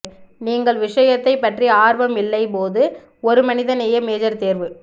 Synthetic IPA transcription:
niːŋɡɐɭʋɪʂɐjɐt̪ːɐɪpːɐʈriaːɾʋɐmɪlːɐɪpoːðɯ | ɔɾɯmɐnɪðɐnɛjɐmeːðɐɾt̪eːɾʋɯ

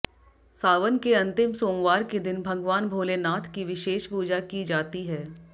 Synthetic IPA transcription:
saːʋənkeɐ̃nt̪ɪmsoːŋʋaːɾked̪ɪnbʱɐɡʋaːnbʱoːlenaːt̪ʰkiʋɪʃeːʃpuːd͡ʒakid͡ʒaːt̪iɦɛː

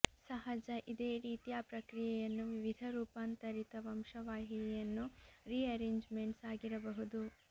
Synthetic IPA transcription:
sɐɦɐd͡ʒɐʔid̪eːɾiːt̪ijaːpɾɐkɾijɛjɐnːuʋiʋid̪ʱɐɾuːpaːnt̪ɐɾit̪ɐʋɐmʃɐʋaːɦinɛjɐnːuɾiːɐɾeːɲd͡ʒmeɳʈsaːɡiɾɐbɐɦud̪u

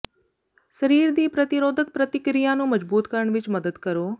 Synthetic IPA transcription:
səɾiːɾd̪iːpɾət̪ɪɾoːd̪ək̚pɾət̪ɪkɾijãːnũːməd͡ʒbuːt̪kəɾəɳʋɪt͡ʃməd̪əd̪kəɾoː

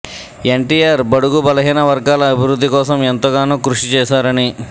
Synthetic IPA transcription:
eɳʈiːjaːɾbɐɽuɡubɐlɐɦiːnɐʋɐɾɡaːlɐːbʱiɾud̪ːikɔːsɐment̪oɡaːnuːkɾuʂit͡ʃɛːsaːɾɐni

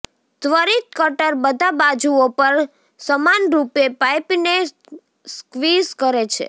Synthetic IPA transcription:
d̪ʋəɾit̪̚kəʈəɾbəd̪ʱabad͡ʒuopəɾ | səmanɾupepajpne | skʋizkəɾet͡ʃʰḛ

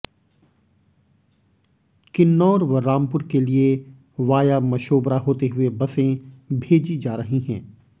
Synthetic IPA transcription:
kɪnːɔːɾʋɐɾɾaːmpʊɾkelie | ʋaːjamɐʃoːbɾaɦoːt̪eɦʊebɐsẽbʱeːd͡ʒid͡ʒaːɾɐɦiɦɛ̰̃ː

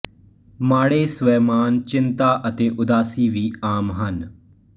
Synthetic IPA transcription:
maːɽeːsʋɛːmaːnt͡ʃɪnt̪aːʔət̪eːʔʊd̪aːsiːʋiːaːmɦən

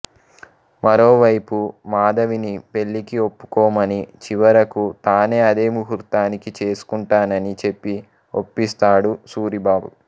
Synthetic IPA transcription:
mɐɾo̞ːʋɐjpumaːd̪ɐʋinipe̞ɭːikio̞pːu̥kɔːmɐnit͡ʃiʋɐɾɐkut̪aːne̞ːɐd̪e̞ːmuɦuɾt̪aːnikit͡ʃe̞ːsu̥kuɳʈaːnɐnit͡ʃe̞pːi | o̞̰pːist̪aːɽusuːɾibaːbṵ

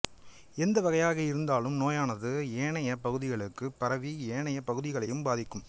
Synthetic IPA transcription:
ɛnd̪ɐʋɐɣɐjaːɣɐɪɾɯnd̪aːlɯmnoːjaːnɐðɯeːɳɐjɐpɐɣɯðɪɣɐɭɯkːɯpɐɾɐʋieːɳɐjɐpɐɣɯðɪɣɐɭɐjɯmbaːðɪkːɯm

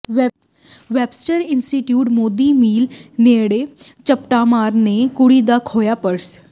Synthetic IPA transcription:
ʋɛːbsʈəɾɪnsʈiʈjuːʈmoːd̪iːmiːlneːɽeːt͡ʃəpʈaːmaːɾneːkʊɽiːd̪aːkʰoːjaːpəɾs

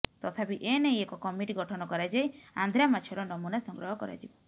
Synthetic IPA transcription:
t̪ɔt̪ʰapiʔenejekɔkɔmiʈiɡɔʈʰɔnɔkɔɾad͡ʒajand̪ʱɾamat͡ʃʰɔɾɔnɔmunasɔŋɡɾɔɦɔkɔɾa̰d͡ʒibɔ

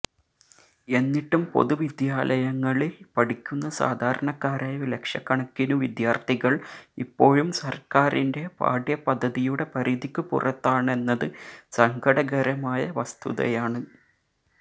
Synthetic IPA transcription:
e̞nːiʈːumpo̞̰ðuʋid̪jaːlʔɐjɐŋːɐɭepɐɽikʲːunːɐsa̰ːd̪ʱaːɾɐɳɐkːaːɾaːjɐlekʂjɐkːɐɳɐkʲːinuʋid̪jaːrt̪ʰiɣɐɭipːo̞ːɻumsɐrkaːrinde̞pa̰ːɖjɐpɐd̪ʱːɐðijuɽe̞pɐɾiðikʲːupṵrɐt̪ːaːɳe̞nːɐðɨsɐŋɡɐɽɐɣɐɾɐmaːjɐʋɐst̪ʰṵðɐ̰jaːɳɨ

